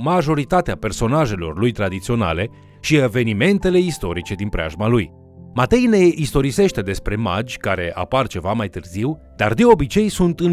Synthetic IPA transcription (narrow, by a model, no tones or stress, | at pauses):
maʒo̞ɾit̪at̪eape̞rso̞naʒe̞lo̞̰rlujt̪ɾad̪it̪sio̞na̰le̞ | ʃie̞ve̞nime̞nt̪e̞le̞ist̪o̞ɾit͡ʃe̞d̪inpɾea̰ʒmaluj | mat̪e̞jne̞ʔist̪o̞ɾise̞ʃt̪e̞d̪e̞spɾe̞ma̰d͡ʒʲkaɾe̞ʔa̰part͡ʃe̞vamajt̪ɨrziw | d̪̥ard̪e̞o̞bit͡ʃe̞jsunt̪ɨn